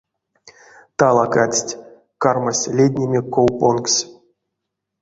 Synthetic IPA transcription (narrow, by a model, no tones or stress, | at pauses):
t̪alˠakat͡sʲtʲ | karmasʲlʲedʲnʲemʲekːowponksʲ